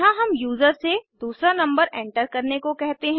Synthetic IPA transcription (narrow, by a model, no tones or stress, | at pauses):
ɦãɦɐmjuːzəɾsed̪uːsɾanɐ̃mbəɾɛ̃ːɳʈəɾkɐɾnekokɛɦt̪eɦɛ̃